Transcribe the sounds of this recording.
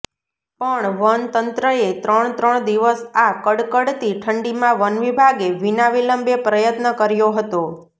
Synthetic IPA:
pəɳʋənt̪ənt̪ɾəet̪ɾəɳt̪ɾəɳd̪iʋəsakəɽkəɽt̪iʈʰəɳɖimãʋənʋibʱaɡeʋinaʋiləmbepɾəjət̪nəkəɾjoɦət̪o

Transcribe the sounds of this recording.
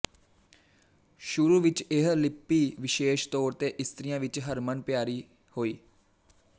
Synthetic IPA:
ʃʊɾuːʋɪt͡ʃɪɦlɪpːiːʋɪʃeːʃt̪ɔːɾt̪eːʔɪst̪ɾijãːʋɪt͡ʃɦəɾmənpjaːɾiː | hoːiː

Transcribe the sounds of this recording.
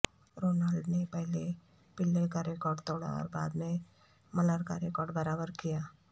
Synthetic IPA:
ɾoːnaːlɖnepɛɦle | pɪlːekaɾeːkɔːɾɖt̪oːɽa̰ɔ̰ːɾba̰ːd̪mẽ | mɐləɾkaɾeːkɔːɾɖbɐɾaːbəɾkijaː

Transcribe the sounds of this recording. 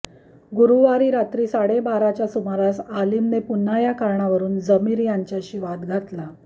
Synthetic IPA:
ɡuɾuʋaɾiːɾat̪ɾiːsaɽebaɾat͡ɕjasumaɾasaliːmnepun̤ːajakaɾɳaʋəɾuːnd͡zəmiːɾjaɲt͡ɕjaɕiːʋat̪ɡʱat̪la

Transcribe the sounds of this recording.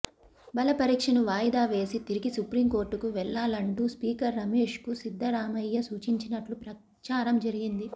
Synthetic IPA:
bɐlɐpɐɾiːkʂɐnuʋaːjd̪aːʋe̞ːsit̪iɾiɡisupɾiːmko̞ːɾʈːukuʋɛɭːaːlɐɳʈuspiːkɐɾːɐme̞ːʂkusid̪ʱːɐɾaːmɐjːɐsuːt͡ʃiɲt͡ʃinɐʈlupɾɐ | t͡ʃaːɾɐmd͡ʒɐɾiɡind̪i

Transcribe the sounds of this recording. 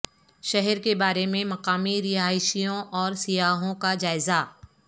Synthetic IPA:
ʃɛɦɛɾkebaːɾemẽmɐqaːmiɾɪɦaːɪʃijõʔɔːɾsɪjaːɦõkad͡ʒaːɪza

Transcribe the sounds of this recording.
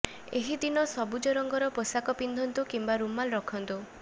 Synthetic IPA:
eɦid̪inɔsɔbud͡ʒɔɾɔŋɡɔɾɔposakɔpind̪ʱɔnt̪ukimbaɾumːalɾɔkʰɔnt̪u

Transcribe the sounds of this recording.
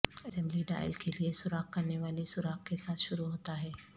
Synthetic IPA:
ɪsɛ̃mbliɖa̰ːɪ̰lkeliesʊɾaːqkɐɾneʋaːlisʊɾaːq̚kesaːt̪ʰʃʊɾuɦoːt̪aɦɛː

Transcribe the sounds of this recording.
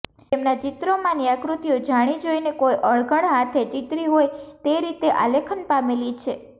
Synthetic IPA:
emnad͡ʒit̪ɾomãniakɾut̪ijod͡ʒaɽ̃id͡ʒojnekojʔəɭɡʱəɳ̃ɦat̪ʰet͡ʃit̪ɾiɦojt̪eɾit̪eʔa̰lekʰənpamelit͡ʃʰe

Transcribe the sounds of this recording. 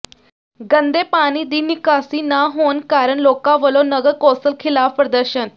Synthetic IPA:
ɡə̃nd̪eːpaːñiːd̪iːnɪkaːsiːnaːɦoːnkaːɾəɳloːkãːʋəlõːnəɡəɾkɔːsəlkʰɪlaːfpɾəd̪əɾʃən

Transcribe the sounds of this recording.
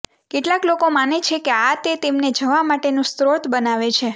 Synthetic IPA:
keʈlaklokomanet͡ʃʰekeat̪et̪emned͡ʒəʋamaʈenũst̪ɾot̪bənaʋet͡ʃʰe

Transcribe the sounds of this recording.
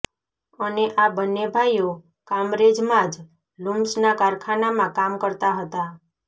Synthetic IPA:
əneʔabənːebʱaijo | kamɾed͡ʒmãd͡ʒ | lʊmsnakaɾkʰanamãkamkəɾt̪aɦət̪a

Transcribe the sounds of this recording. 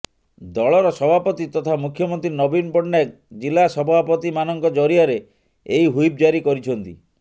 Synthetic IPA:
d̪ɔɭɔɾɔsɔbʱapɔt̪it̪ɔt̪ʰamukʰːjɔmɔnt̪ɾinɔbinpɔɽnak̚ | d͡ʒilasɔbʱapɔt̪imanɔŋkɔd͡ʒɔɾiaɾe | eiɦujp̚d͡ʒaɾikɔɾit͡ʃʰɔnt̪ḭ

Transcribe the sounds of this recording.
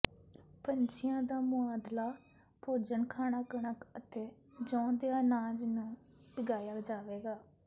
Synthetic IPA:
pəɲt͡ʃɪjãːd̪aːmʊaːd̪laː | pʰoːd͡ʒəɳkʰaːɽaːɡəɳəkət̪eː | d͡ʒɔ̃ːd̪eaːnaːd͡ʒnũː | bɪɡaːjaːd͡ʒaːʋeːɡaː

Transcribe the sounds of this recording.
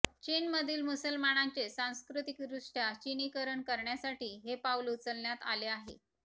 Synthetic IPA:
t͡ɕiːnməd̪ʱiːlmusəlmanaɲt͡sesãw̃skɾut̪ik̚d̪ɾuʂʈjat͡ɕinikəɾəɳkəɾɳjasaʈiːɦepaulut͡səlɳjat̪a̰leaɦḛ

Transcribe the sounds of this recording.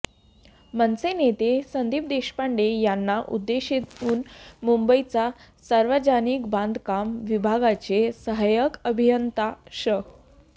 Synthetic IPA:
mənsenet̪esənd̪ʱiːp̚d̪eɕpaɳɖejanːaʔṵd̪ːeɕit̪uːnmumbəit͡sa | səɾʋəd͡ʑaniːkbãnd̪ʱkamʋibʱaɡat͡sesəɦajəkəbʱijənt̪aɕə

